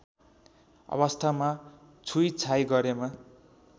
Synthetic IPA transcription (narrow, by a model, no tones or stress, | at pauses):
ʌ̰βʌst̪ʰama | t͡sʰujt͡sʰajɡʌɾema